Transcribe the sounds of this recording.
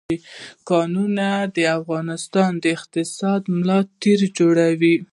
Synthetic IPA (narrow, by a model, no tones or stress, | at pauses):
ikɑnunad̪əafɣɑnɪst̪ɑnd̪əɪqt̪ɪsɑd̪mlɑt̪eɾd͡ʒoɽawi